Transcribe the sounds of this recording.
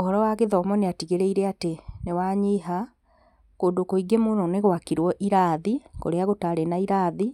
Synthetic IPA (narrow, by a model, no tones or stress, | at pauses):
oɦɔɾɔwaɣeðɔmɔneatiɣeɾeiɾeatenewaɲiːɦa | koːndokoiɡemononeɣwakiɾwɔʔiɾaːðiko̰ɾeaɣotaɾenaiɾaːði